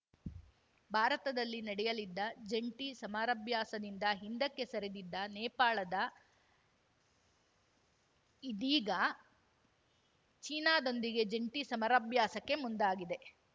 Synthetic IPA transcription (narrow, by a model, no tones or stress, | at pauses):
bʱaːɾɐt̪ɐd̪ɐlːinɐɽɛjɐlid̪ːɐd͡ʒeɳʈisɐmaːɾɐbjaːsɐd̪ind̪ɐɦind̪ɐkːe̞sɐɾed̪id̪ːɐnɛːpaːɭɐd̪ɐ | id̪iːɡɐ | t͡ʃiːnaːd̪o̞nd̪iɡe̞d͡ʒeɳʈisɐmaːɾɐbjaːsɐkːe̞mund̪aːɡid̪e̞